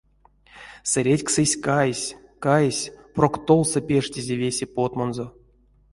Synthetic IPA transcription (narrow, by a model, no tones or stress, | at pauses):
sɨɾʲetʲksɨsʲkajsʲkajesʲprokt̪olˠsɨpʲeʂtʲizʲevʲesʲepot̪monzo